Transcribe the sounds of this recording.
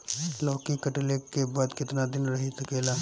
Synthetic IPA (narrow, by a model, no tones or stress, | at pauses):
lɔːkikɐʈlekebaːd̪kɪt̪nad̪ɪnɾɐɦit̪ɐkeːlaː